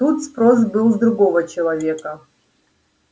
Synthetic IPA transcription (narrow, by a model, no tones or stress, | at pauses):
t̪ut̪spɾos̬bɨlˠzd̪ɾuɡovət͡ɕɪlˠɐvʲekə